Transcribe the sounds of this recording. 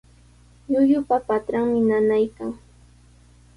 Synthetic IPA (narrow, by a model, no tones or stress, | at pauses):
jʊjʊpapat̪ɾaŋmɪnanajkaŋ